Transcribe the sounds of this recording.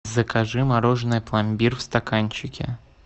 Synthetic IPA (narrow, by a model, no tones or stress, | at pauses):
zəkaʐɨmɐɾoʐɨnɨjplˠɐmʲbʲirfst̪ɐkanʲt͡ɕɪkʲɪ̰